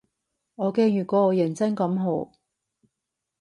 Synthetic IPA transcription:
ŋɔː˨˧kɛː˧jyː˨kɔː˨˧ɔː˨˧jɐ˨˩nt͡sɐ˥ŋkɐ˨˥mɦo˨˧˥w

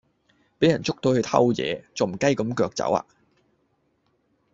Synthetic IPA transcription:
pe˨˥jɐ˨˩nt͡sʊ˥k̚t̪o˧whɵ˧jt̪ʰɐ̰˥wjɛ̰ː˨˧t͡sɐ˨wm̩˨˩kɐ˥jkɐ˨˧˥mkœː˧k̚t͡sɐ̰˨˥wa̰ː˧

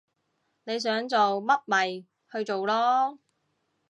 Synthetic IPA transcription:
ne˨˧js̬œː˨˥ŋt͡so˨wmɐ˥t̚mɐ˨j | hɵ˧ɥt͡so˨wlɔː˥

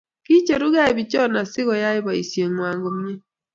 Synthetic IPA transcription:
ki˦t͡ʃe˨ɾu˦ɣa˦ɪ˨bɪ˨t͡ʃɔ˦˨na˨sɪ˦ɣɔ˨ja˦ɪ˦ba˨ḭ˨sje˨ŋwa˨ŋɡo˨m˦e˦

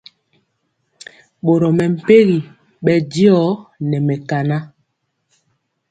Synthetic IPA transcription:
ɓo˨ɾo˨mɛ˨m̩˨pe˦ɣi˨ | ɓɛ˨di˦ɔ˦nɛ˨mɛ˨ka˨na˦

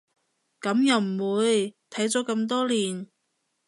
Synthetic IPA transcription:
kɐ˨˥mjɐ˨wm̩˨˩wuː˨˧jt̪ʰɐ˨˥jt͡sɔː˨˥kɐ˧mt̪̬ɔː˥liː˨˩n

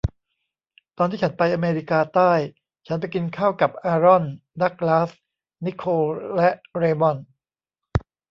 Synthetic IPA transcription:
t̪ɔː˧nʰiː˥˩t͡ɕʰa˦npa˧jʔaː˧meː˧ɾi˦˥kaː˧t̪aː˥˩j | t͡ɕʰa˦˥npa˧jki˧nkʰaː˥˩wka˨˩p̚ʔaː˧ɾɔ˥˩nda˦˥˩k̚laː˦˥s | ni˦˥kʰoː˧lɛ˦˥ʔɾeː˧mɔ˥˩n

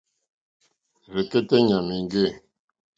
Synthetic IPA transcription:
ɾe˨ke˦t̪e˦ɲa˨ni˨ŋ˦ɡe˦˨

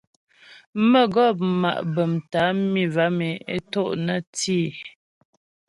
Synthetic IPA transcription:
mə˦˨ɡɔ˦˨p̚ma̰˨ʔbə˨mta˨˦mi˦˨va˨˦me˨e˦to˦˨ʔnə˦tiː˦˨

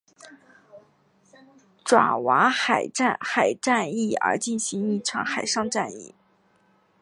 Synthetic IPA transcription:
ʈ͡ʂwa̰˨˩wa˧˥xa˨˩ɪʈ͡ʂa˥˩nxa˨˩ɪʈ͡ʂa˥˧ni˥˩ə̰˞˧˥t͡ɕi˥˩nɕi˧˥ŋi˥˩ʈ͡ʂʰɑ˧˥ŋxa˨˩ɪʂɑ˥˧ŋʈ͡ʂa˥˧nḭ˥˩

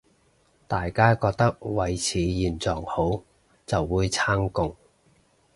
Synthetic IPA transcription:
t̪aː˨jkaː˥kɔː˧k̚t̪ɐ˥k̚wɐ˨jt͡sʰiː˨˥jiː˨˩nt͡sɔː˨˩ŋho˨˥w | t͡sɐ˨wːuː˨˧jt͡sʰaː˥ŋkʊ˧ŋ

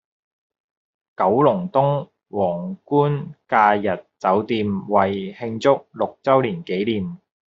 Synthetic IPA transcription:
kɐ˨˥wlʊ˨˩ŋt̪ʊ˥ŋ | wɔː˨˩ŋkuː˥nkaː˧jɐ˨t̚t͡sɐ˨˥wt̪iː˧mwɐ˨jhɪ˧ŋt͡sʊ˥k̚lʊ˨k̚t͡sɐ˥wliː˨˩nke˨˥jliː˨˩m

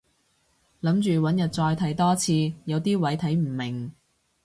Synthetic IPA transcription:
lɐ˨˥mt͡ʃyː˨wɐ˨˥njɐ˨t̚t͡sɔː˧jt̪ʰɐ˨˥jt̪ɔː˥t͡sʰiː˧jɐ˨˧wt̪iː˥wɐ˨˥jt̪ʰɐ˨˥jm̩˨˩mɪ˨˩ŋ

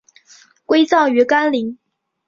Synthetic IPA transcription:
kwe˥ɪt͡sɑ˥˩ŋy˧˥ka˥nli˧˥ŋ

